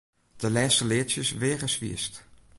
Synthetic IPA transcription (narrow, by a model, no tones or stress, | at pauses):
d̥əlɛːstəlɪəsjəsʋɪəɣəsʋḭəst